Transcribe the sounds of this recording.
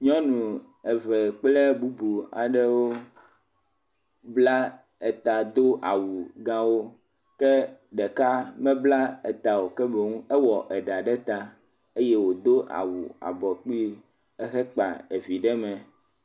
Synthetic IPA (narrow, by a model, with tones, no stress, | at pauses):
ɲɔ̃˦nũ˨ | ɛ˨vɛ˨k͡ple˦bu˦bu˨a̰˨ɖɛ˦wo˦ | bla˦ | ɛ˨t̪a˨d̪o˦ʔa˨wu˨ɡã˦wo˦ | kɛ˦ɖɛ˨ka˦mɛ̃˦bla˦ɛ˨t̪a˨wo˨kɛ˦be˨ŋũ˦ɛ˦wɔ˨ʔɛ˨ɖa˨ɖɛ˦t̪a˦ | e˦je˦wo˨d̪o˦ʔa̰˨wu˨a̰˨bɔ˨k͡pi˦ | ɛ˦xɛ˦k͡pa̰˨e˨vi˨ɖɛ˦mɛ̃˨